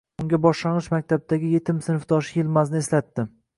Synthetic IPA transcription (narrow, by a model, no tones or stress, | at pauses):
ʊŋɡʲabɒʃlanʁɨʃmak̚ʲt̪ʰab̚d̪aɡʲɪje̞t̪ʰɪmsɪnɪfd̪ɒʃɪjɪlmaznɪeslat̪ːɪ